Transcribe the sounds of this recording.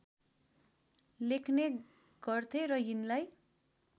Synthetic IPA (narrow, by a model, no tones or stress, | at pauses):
lekʰne | ɡ̥ʌrt̪ʰeɾʌinlaj